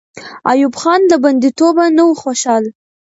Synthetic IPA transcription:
ɑ̰jubxɑnlaband̪it̪obanawuxoʃɑl

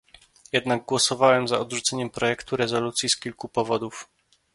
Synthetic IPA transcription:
jɛd̪naɡ̚ɡwɔsɔvawɛmzaɔd̪ʐut̪sɛɲɛmpɾɔjɛkt̪uɾɛzɔlut̪sʲjiskʲilkupɔvɔd̪uf

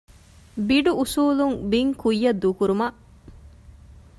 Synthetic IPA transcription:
biɖuʔusuːluŋbiŋkujːɐd̪ːuːkuɾumɐʔ

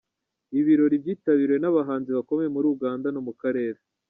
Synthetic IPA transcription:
iβiɾo̞ɾibjiːtaβiɾwe̞naβaɦaːnziβako̞mejemuɾuːuɡaːndano̞mukaɾe̞ːɾe

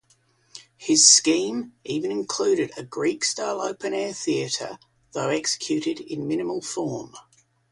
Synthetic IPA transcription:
hɪz̥skĩːmʔiːvə̃nɪ̃nkʰl̥ʉːɾɪdəɡɹiˑkstɑɪlˠə̰ʊpə̃nɛːθiəɾə̰ | ðəʊɛksə̥kʰj̥ʉˑɾɪdɪ̰̃nmɪ̃nɪməlˠfɔːm

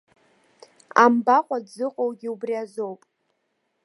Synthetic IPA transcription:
ambaχʷadd͡zɨqʼowɡʲiubriazo̞wpʼ

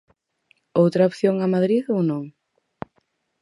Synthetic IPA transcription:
owt̪ɾɐopθjoŋamaðɾiðownõŋ

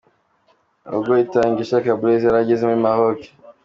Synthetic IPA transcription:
ɔ̰ɡɔitaŋɡiʃakabulezaɾaɟizimimahɔki̥

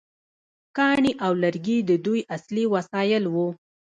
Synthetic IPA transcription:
kɑɳiʔawlaɾɡid̪əd̪ujasliwasɑjɪlwu

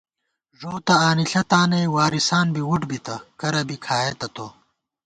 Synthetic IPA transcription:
ʐoːt̪ɐaːniɬɐt̪aːnɐjwaːɾisaːnbiwuʈbit̪ɐkɐɾɐbikʰaːjet̪ɐt̪o

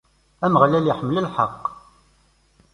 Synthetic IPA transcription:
æməʁlæliħəmːələlħɑqː

